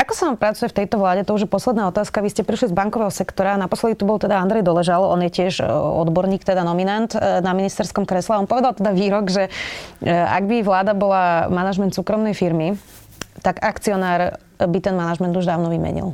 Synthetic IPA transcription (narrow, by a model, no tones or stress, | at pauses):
akɔ̥saʋampɾat͡sujɛft̪ɛjt̪ɔʋlaːɟɛt̪ɔuʒjɛpɔslɛd̪naːɔt̪aːskaʋiscɛpɾiʃlizbaŋkɔʋɛːɦɔsɛkt̪ɔɾaːnapɔslɛd̪it̪ubɔlt̪ɛd̪aand̪ɾɛjd̪ɔlɛʒalɔ̰njɛcɪɛʒɔ̰d̪bɔɾɲiːkt̪ɛd̪anɔminant̪naminist̪ɛɾskɔmkɾɛslɛaɔnpɔʋɛd̪alˠt̪ɛd̪aʋiːɾɔɡʒɛ | a̰ɡbiʋlaːd̪abɔlamanaʒmɛnt̪suːkɾɔmnɛjfiɾmi | t̪aɡakt͡siɔnaːɾ | bit̪ɛnmanaʒmɛnd̪uʒd̪aːʊnɔʋimɛ̰ɲḭlˠ